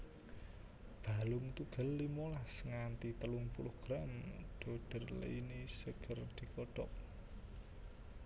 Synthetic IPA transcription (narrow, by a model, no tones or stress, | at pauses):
b̥a̤lʊŋt̪uɡ̥ə̤lːimolasŋant̪it̪əlʊŋpulʊhɡ̥ɾamɖ̪̥o̤ɖ̥ə̤rl̰inisəɡ̥ərd̪̥i̤kɔɖ̥ɔʔ̚